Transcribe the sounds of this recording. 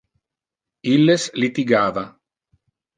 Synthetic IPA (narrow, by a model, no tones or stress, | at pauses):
ilːeslit̪iɡaːva